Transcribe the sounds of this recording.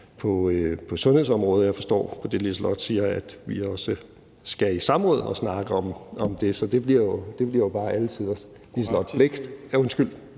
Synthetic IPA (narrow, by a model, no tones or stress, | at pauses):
pʰɒ̽pʰɒ̽sɔ̽nhe̝ðˠsɒ̽mʁɔ̽ːð̞ˠjɑ̈ɪfɒ̽sd̥ɒ̰ːpʰɒ̽d̥e̝lislɒd̥siːɐæd̥ʋiɒ̽sə | sɡ̥æisɑ̈mʁɔ̽ːð̞ˠɒ̽snɑ̈ːɡ̥ɐɒ̽mɒ̽md̥e̝sɒ̽d̥e̝b̥liɐ̰jo̝d̥e̝b̥liɐ̰jo̝b̥ɑ̈ːʔælət͡sʰið̰ˠɒs | lislɒd̥bʰleɡ̥d̥æɐonsɡ̥yl̰